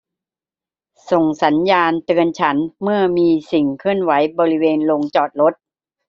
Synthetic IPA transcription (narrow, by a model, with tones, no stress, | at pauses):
so˨˩ŋsa˩˦njaː˧nt̪ɯ˧ənt͡ɕʰa˦˥nmɯ˥˩ɐmiː˧si˨˩ŋkʰɯ˥˩ənwa˩˦jbɔː˧ɾi˦˥weː˧nlo˧ŋt͡ɕɔː˨˩t̪̚lo˦˥t̪̚